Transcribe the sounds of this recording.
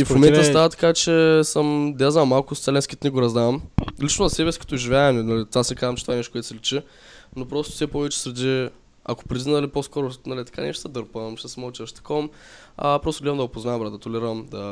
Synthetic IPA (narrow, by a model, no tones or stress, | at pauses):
ifmomɛnt̪əst̪avɐt̪ɐ̥kat͡ʃɛsəmd̪jaznamːalˠkʊst̪ɛlɛnskit̪niɡoɾɐzd̪aɐmlit͡ʃnozɐsɛbɛsi̥kɐ̥t̪ɔʒivʲjaɛmnnɐlit̪vasɛkazɐmt͡ʃɛ̥t̪vaɛnɛʃkwɛt̪sɛlit͡ʃi | nopɾɔst̪ʊ̥sʲɛpɔvɛt͡ʃɛ̥sɾɛd̪ʲi | ɐ̰ko̥pɾid̪inəliposkɔɾʊnɐlit̪ɐ̥ka̰nɛ̰ʃt̪əd̪əɾpəmʃt̪ɛsmɐlˠt͡ʃ̪iʃt̪ɐ̥kɔm | ɐpɾɔst̪ʊɡʲlʲiɐmd̪ɐɡopozabɾat̪ət̪olʲiɾəmd̪ɐ